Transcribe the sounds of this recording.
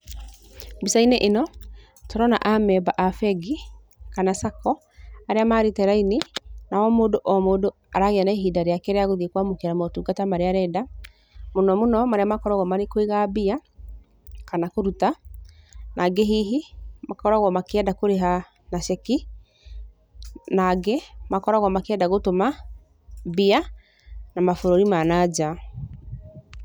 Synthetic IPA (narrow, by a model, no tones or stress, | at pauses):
bisaineʔenɔ | tɔɾɔna̰ʔamɛbaʔafɛɡi | kanasakɔ | aɾeamaːɾetɛɾaininawɔmoːdoʔɔmoːdo | aɾaɣeanaeɦidaɾeakɛɾeaɣoðikwamokeaɾamɔtuːɡatamaɾeaɾɛda | monɔmonɔmaɾeamakɔɾaɣwɔmaɾekoiɣabia | kanakoɾuta | nʔaɡeɦiɦimakɔɾaɣwɔmakeɛdakoɾeɦa | nasɛki | naɡɛmakɔɾaɣwɔmakeɛdaɣotoma | bia | namafoɾoɾimanad͡ʑa